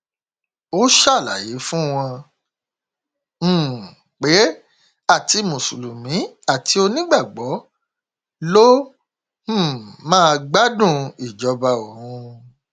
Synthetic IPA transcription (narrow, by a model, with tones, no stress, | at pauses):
o˦ʃa˦˨la̰˨je˨˦fũ˦w̃ɔ̃˧ | m̩̃˨ | k͡pe˨˦ | a˦˨ti˧mũ˨su˨lu˨mĩ˨˦a˦˨ti˨˦o˧nĩ˦ɡ͡ba˦˨ɡ͡bɔ˨˦ | lõ˦˨ | mãː˦˧ɡ͡ba˦dũ˦˧i˨d͡ʒɔ˨˧ba˧o˨hũ˧